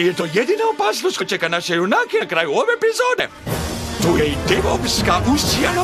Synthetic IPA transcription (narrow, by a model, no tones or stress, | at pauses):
jet̪o̞ːjed̪inaopaːsnost̪kot͡ʃekanaʃejunakenakɾaːjuoʋeepizoːd̪ḛ | t̪uːjeid̪eʋokskaʔusijano